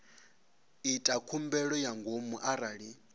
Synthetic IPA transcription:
itʼakʰumbɛɺɔjaŋɡomuʔaɾaːɺi

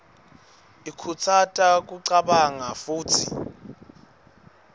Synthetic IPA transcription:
ikʰut͡sʰatʼak̬ʼuǀaɓaŋafuːtʰḭ

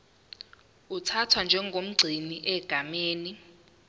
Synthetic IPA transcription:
utʰatʰwand͡ʒʱɛŋɡʱom̩ɡ͡ǀʱiniʔɛɡ̥ʱameːni

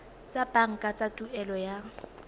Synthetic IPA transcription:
t͡sʼapʼaŋ̩kʼat͡sʼatʼuɛlɔja

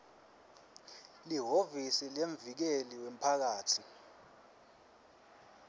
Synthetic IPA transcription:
liɦovisileɱvik̬eliwem̩pʰak̬aːtʰi

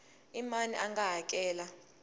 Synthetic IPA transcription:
imaniʔaŋɡaɦak̬ʼɛːla

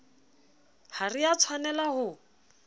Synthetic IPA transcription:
harijat͡sʰwanɛlaɦʊ

